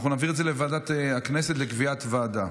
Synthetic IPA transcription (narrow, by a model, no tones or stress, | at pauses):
naχunaːviʁetdzelevaːdatakneset̪lekviat̪vaːda